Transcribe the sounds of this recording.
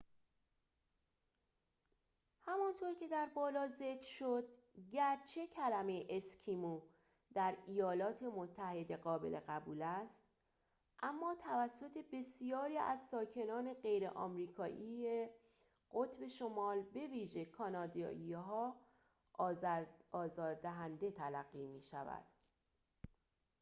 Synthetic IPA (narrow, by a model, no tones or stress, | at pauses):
hæmɒnt̪ʰoɾcʰe̞d̪æɾbɒːlɒːze̞kʰɾʃo̞d̪̥ɟæɾt͡ʃʰe̞cʰælæme̞ʔescʰimu | d̪̥æɾijɒːlɒːt̪ʰe̞mot̪ʰːæhe̞d̪e̞ɣɒːbe̞le̞ɣæbuːlæst̪ | ʔæmːɒːt̪ʰævæsːo̞t̪ʰe̞be̞sijɒːɾiːæ̰zsɒːcʰe̞nɒːne̞ɢe̞jɾḛʔɒ̰ːmɾiːkʰɒːʔiːe | ɢot̪ʰbe̞ʃomɒːlbe̞viːʒe̞kʰɒnɒːd̪ɒ̰ːiɦɒː | ɒːzɒːɾd̪æɦænd̪e̞t̪ʰælæɣːiːmiːʃæ̰væ̰d̪̥